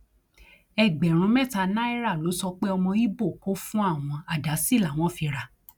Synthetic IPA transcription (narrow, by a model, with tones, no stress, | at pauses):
ɛ˦˨ɡ͡bɛ˨ɾ̃ũ˧˦mɛ˦˨ta˧nã˦i˦ɾa˦˨lo˨˦sɔ˧k͡pe˦ɔ˧mɔ̃˧i˦bo˦˨ko˦fũ˦a˦˨w̃ɔ̃˧a˨da˨˦si˦˨la˨w̃ɔ̃˨˦˨fi˧ɾa˧˨